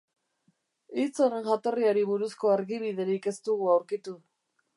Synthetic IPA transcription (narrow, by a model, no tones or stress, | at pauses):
it͡so̞ɾe̞nʝat̪o̞riaɾiβuɾusko̞aɾɣiβ̞iðe̞ɾike̞st̪uɣuawɾkit̪u